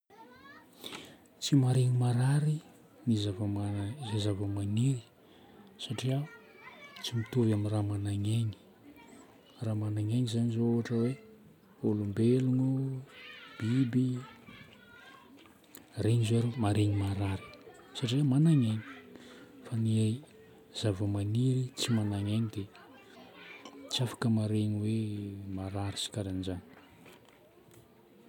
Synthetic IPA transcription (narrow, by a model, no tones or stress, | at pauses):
t͡simaɾeŋimaɾaɾi | nizavamazezavəmaniɾi̥ | saʈ͡ʂia | t͡simit̪uvaminramanaŋeɲi̥ | ramanaŋeɲizaɲizooaʈ͡ʂəwe | olumbeluŋu | b̥ibi | reɲizoaɾomaɾeɲimaɾaɾi̥ | saʈ͡ʂiemanaŋaɲi̥ | faniaj | z̥avəmaniɾit͡simanaɲanid̪e | t͡siafḁkəmaɾeɲiwemaɾaɾisi̥kaɾanizani̥